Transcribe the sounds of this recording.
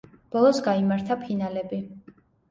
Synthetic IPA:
b̥ɔlˠɔsɡaimaɾt̪ʰapʰinalɛbi

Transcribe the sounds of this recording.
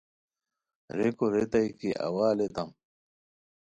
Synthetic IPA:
ɾekoɾet̪ɐjkiʔɐ̰waːlet̪ɐm

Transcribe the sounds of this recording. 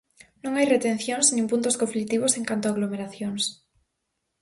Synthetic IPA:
nõŋajret̪ẽnθjoŋsnĩŋpunt̪ʊskõɱflik̚t̪iβoseŋkant̪oaɣlomeɾaθjoŋs

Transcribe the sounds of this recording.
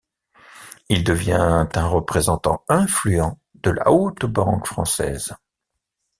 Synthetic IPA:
ild̪əvjɛ̃t̪ɛ̃ʁəpχezɑ̃t̪ɑ̰̃ɛ̃flyɑ̃ | d̪̥əla̰ot̪bɑ̃kfχɑ̰̃sɛ̰z

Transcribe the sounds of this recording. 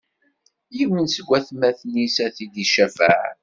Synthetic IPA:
jiwinsəɡʷːæθmæθnisæθid̪iʃæfəʕ

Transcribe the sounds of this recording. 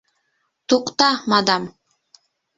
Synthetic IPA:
t̪oqt̪ɑmɑd̪ɑm

